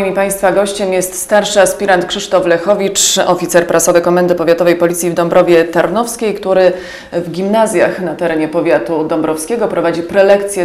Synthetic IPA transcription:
imʲipaj̃st̪faɡɔɕt͡ɕɛmjɛst̪st̪aɾʂɘaspʲiɾant̪kʂɘʂt̪ɔflɛxɔvʲit͡ʂɔ̰fʲit̪sɛɾpɾasɔvɘkɔmɛnd̪ɘpɔvʲjat̪ɔvɛjpɔlʲit̪sʲjivd̪ɔmbɾʔɔvʲjɛt̪aɾnɔfskʲejkt̪uɾɘ | vɡʲimnazʲja̰xnat̪ɛɾɛɲɛpɔvʲjat̪ud̪ɔmbɾɔfskʲɛɡɔpɾɔvad͡ʑipɾɛlɛkt̪sʲjɛ

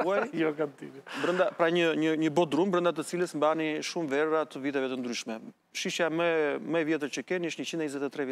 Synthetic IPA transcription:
ajjɔkamt̪iɾɛbɾənd̪apɾaɲəɲəɲəbɔt̪ɾumbɾənd̪at̪ət͡siləsmbaniʃumvɛrat̪əvit̪̬ɛvɛt̪ənd̪ɾyʃmɛ | ʃiʃaməməɛvjɛt̪̬əɾt͡ɕəkɛniʃt̪ɲət͡ɕind̪ɛɲzɛt̪ɛt̪ɾɛv

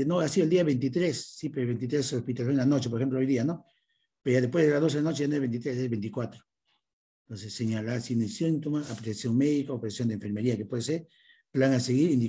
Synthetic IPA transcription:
noasiðoeld̪iaβent̪̬it̪ɾesːipeoβejnt̪it̪ɾesospit̪alfeelanot͡ʃep̬oɾexemp̬loojðiano | peɾoʝaðespwe̞zðelazðos̬elanot͡ʃeanoezβe̞nit̪ɾesezβejnt̪ikwat̪ɾo̥ | nt̪onsesːeɲalaɾsinesint̪omasapɾeesjoŋmeðikaopɾesjond̪eɱfe̞ɾmeɾiakepweðeseɾ | plaŋaseɣiɾind̪i

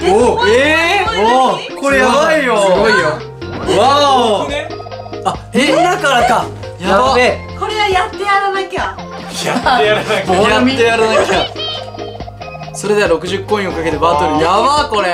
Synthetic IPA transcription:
oeokoɾejaβaijosɡoijo | a | aed̪akaɾaka | jaβaeko̞ɾe̞ajat̪ːe̞jaɾanaikʲa | jat̪ejaɾanakat̪ejaɾanaikʲa | so̞ɾe̞d̪eɾo̞kɯ̟ʑɨkːõĩokake̞t̪e̞bat̪oɾɯjaβako̞ɾe

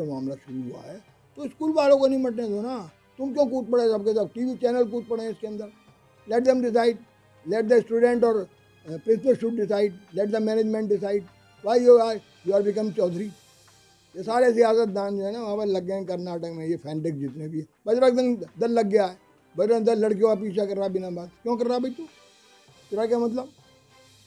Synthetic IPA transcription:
emaːmlaʃʊɾuɦua̰ɦɛː | t̪oskuːlbaːlõkonɐɦĩmɐʈnẽd͡ʒoːna | t̪ʊmkjõːk̬uːt̪̚pɐɽesɐbkesaːʈiːʋit͡ʃɛːnəlkuːt̪̚pɐɽẽɪskeɐ̃nd̪əɾ | lɛʈ̚d̪ɛ̃mɖɪs̬aːɪɖ | lɛʈ̚d̪əsʈuːɖẽɳʈɔːɾ | pɾɪ̃sʈəʃuʈ̚ɖɪsaːɪɖlɛʈ̚d̪əmɛːned͡ʒmẽɳʈ̚ɖɪsaːɪɖ | ʋaːɪjoa | juːaːɾbɪkə̃mt͡ʃɔːd̪ʱɾiː | jesaːɾesɪaːsət̪̚d̪ãːnd͡ʒoːɦɛːnaːʋãːpəlɐɡẽkɐɾnaːʈəkmẽːjeːpʰɛ̃ːɳɖɪkd͡ʒɪt̪nẽːbiɛbɐd͡ʒɾəkd̪ə̃nd̪ɐɾlɐɡːjaːɛ | bɐd͡ʒɾə̃nd̪ələɽk̬ijõapiːt͡ʃʰakɐɾɾaːbɪnãbaːd̪kjõːkɐɾɾaːbɐit̪uː | t̪ɪɾakjamɐt̪̬ləb

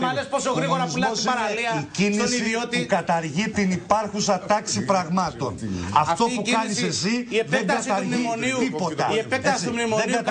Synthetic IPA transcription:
mɐlesposoɣɾiɣoɾɐzulosiɐɾliɐicinisiot̪ukɐt̪ɐɾʝit̪inipɐɾxusɐt̪ɐksipɾɐɣmɐt̪o̞̰nɐft̪o̞pukɐnissesieðeŋɡɐt̪ɐɾʝmioniipo̞t̪ɐ̰iepeɐssiumimoðeŋɡɐt̪

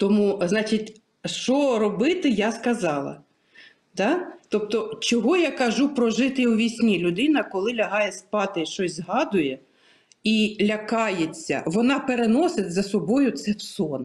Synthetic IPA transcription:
t̪ɔmuznɑt͡ʃitʲ | ʃt͡ʃɔɾɔbɪt̪ɪjaskɐzɑlˠɐ̰ | d̪ɑt̪ɔpt̪ɔt͡ʃɔɦɔjakɐʒupɾɔʒɪt̪ɪwʋʲisʲnʲilʲʊd̪ɪnɐkɔlˠɪlʲɐɦɑjɛspɑt̪ɪʃt͡ʃɔsʲzɦɑd̪ʊjɛ | ilʲɐkɑjet͡sʲːɐ̰ʋɔnɑpeɾenɔsɪtʲzɐsɔbɔjʊt̪sɛwsɔn

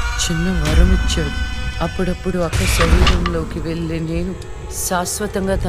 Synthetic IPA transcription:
t͡ʃinːɐmɐɾɐmit͡ʃːeːd̪uɐpːuɽɐpːuɽuɐkːɐsɐɾiːɾɐmlo̞ːkiʋe̞ɭːineːnu | saːsʋɐt̪ɐŋɡaːt̪ʰɐ

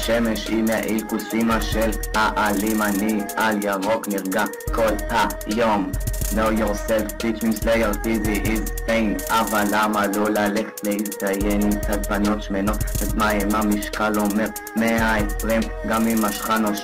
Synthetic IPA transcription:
ʃemeʃimaʔikusimaʃelaʔalimanialjaʁokniʁɡa | kolha | jomlojoʁseltit͡ʃmimslejaʁtiziʔizbejnavalːamalolaleχe̥t̪leisajenitad̪̚banot̪ʃmenot̪azmaimamiʃkalomeʁ | meajʁimɡamimaʃχano

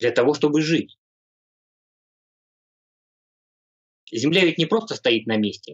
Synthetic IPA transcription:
d̪lʲɐt̪ɐvo̞ʂt̪o̞bɨʐɨtʲ | zʲɪmlʲavʲɪtʲnʲɪpɾo̞st̪əst̪ɐit̪̚nɐmʲesʲtʲɪ

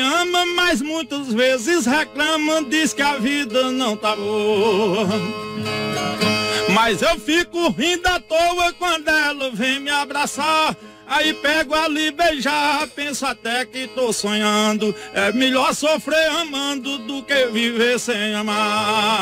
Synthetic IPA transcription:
ɐ̃mɐmajzmũj̃t̪ɐzvezɪshɛklɐ̃mɐd̪iskɪavid̪ɐnɐ̃w̃t̪abo | mɐjzewfikʊɦĩd̪ɐt̪owɐkwɐ̃nd̪ʊɛlɐvẽj̃mɪabɾasaɾ | aipɛɡʊalibeʒapẽsʊat̪ɛkɪt̪osõɲɐ̃d̪ʊɛmeʎɔɾsofɾeɐ̃mɐ̃d̪ʊd̪ʊkevivesẽɐ̃ma

